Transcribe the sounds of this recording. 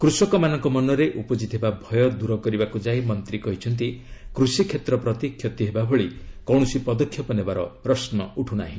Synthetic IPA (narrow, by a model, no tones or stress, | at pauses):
kɾusɔkɔmanɔŋkɔmɔnɔɾeʔupɔd͡ʒit̪ɦebabʱɔjɔd̪uɾɔkɔɾibakud͡ʒajmɔnt̪ɾikɔɦit͡ʃʰɔnt̪̬ikɾusikʰːet̪ɾɔpɾɔt̪ikʰjɔt̪iɦebabʱɔɭikɔw̃usipɔd̪ɔkʰjɔpɔnebaɾɔ̰pɾɔsnɔuʈʰuna̰ɦĩ